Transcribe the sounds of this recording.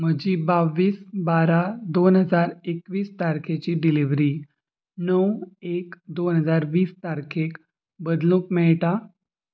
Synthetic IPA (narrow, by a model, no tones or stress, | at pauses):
məd͡ʑiːbaʋːiːsbaɾad̪onɦəd͡zaɾekʋiːst̪aɾkʰet͡ɕiːɖiliʋɾiː | nəwekd̪onɦəd͡zaɾʋiːst̪aɾkʰek | bəd̪lũːkmɛɭʈa